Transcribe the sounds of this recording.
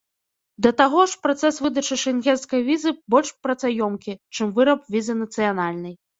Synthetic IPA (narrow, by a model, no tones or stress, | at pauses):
d̪ɐt̪aɣɔʂpɾat̪sɛsvɨd̪ɐt͡ʂɨʂɛnɣʲɛnskɐjvʲizɨbɔlʲʂpɾɐt̪sajɔmkʲit͡ʂɨmvɨɾɐp̚vʲizɨnɐt̪sɨjanalʲnɐj